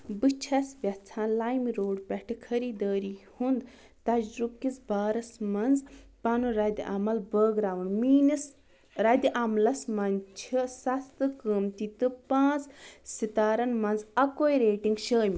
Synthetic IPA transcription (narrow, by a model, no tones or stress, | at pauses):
bɨt͡ʃʰɐsʋʲɐst͡sʰãːlaːjmiɾoːɖpʲɛʈʰɨkʰɐɾiːd̪əːɾihund̪ | t̪ɐd͡ʒɾukizbaːɾɐsmɐnzpɐnuɾɐd̪ʲiʔɐ̰mɐlbəːɡɾaːʋɨnmiːnis | ɾɐd̪ʲiʔɐmlɐsmɐnt͡ʃʰisɐst̪ɨkəːmt̪it̪ɨpãːt͡ssit̪aːɾɐnmɐnzɐkoːjɾeːʈiŋɡʃəːmʲi